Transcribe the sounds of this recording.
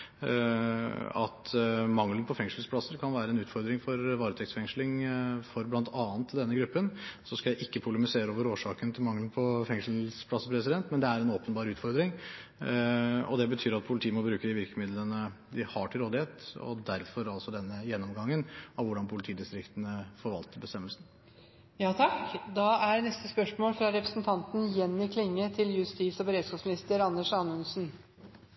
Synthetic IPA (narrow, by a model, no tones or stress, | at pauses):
ɑ̰t̪mɑŋlənəpʰɔfɛŋʂəlspʰɽɑsːəɾkʰɑnʋæːɾəɛnʉːt̪fɔɾd̪ɾɪŋfɔɾʋɑːɾət̪ʰɛkt̪sfɛŋʂlɪŋfɔɾblɑnt̪ʰɑːnt̪ʰːɪld̪ɛnːəɡɾʉpːənsɔskɑjæɪʔɪkːəpʰʊləmɪseːɾəoːʋəɾoːʂɑːkənt̪ʰɪlmɑŋlənpʰɔfɛŋʂl̩spʰlɑsːəɾpʰɾɛsɪd̪ɛnt̪mɛnd̪ɛæɾɛnoːpənbɑːɾʉːt̪fɔɾd̪ɾɪŋ | ɔ̰d̪ɛbət̪ʰyːɾɑt̪̚pʰʊlɪt̪ʰiːəmɔbɾʉːkəd̪ɪʋɪɾkəmɪd̪lənəd̪ɪhɑʈʰɪlɾoːd̪ɪheːt̪ɔ̰d̪æɾfɔɾɑlsɔd̪ɛnːəjɛnːɔmɡɑŋːənɑʋʋʊɖɑnpʰʊlɪt̪ʰiːd̪ɪst̪ɾɪkt̪ənəfɔɾʋɑlt̪əbəst̪ɛmːəlsn̩ | jɑːt̪ʰɑkd̪ɑːæɾnɛst̪əspœʂmoːlfɾɑɾɛpɾəsnt̪ʰɑnt̪n̩jɛnːɪkʰlɪŋːət̪ʰɪljʉst̪iːsɔbəɾeːd̪skɑːpsmɪnɪst̪əɾɑnːəʂɑnʉnsn̩